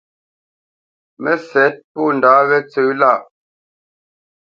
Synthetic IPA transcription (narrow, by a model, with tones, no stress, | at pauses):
mɛ˦sɛ˨˦t̚pɔ˦˨n̩˨daː˨˦βɛ˦t͡sə˦la˦˨ʔ